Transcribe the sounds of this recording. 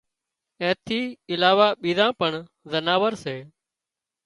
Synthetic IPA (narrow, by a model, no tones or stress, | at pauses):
ɛ̃ːt̪ʰiːɪlaːʋaːɓiːzãːpəɳ | zənaːʋəɾseː